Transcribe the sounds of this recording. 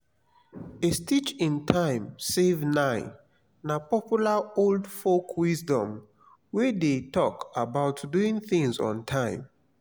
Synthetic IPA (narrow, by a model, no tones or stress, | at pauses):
estit͡ʃĩntʰãɪ̃msevnãɪ̃n | napɔpjulaoldfokʰwizdɔ̃m | wedetɔkabaʊtduĩŋθĩŋzɔ̰̃ntʰãɪ̃m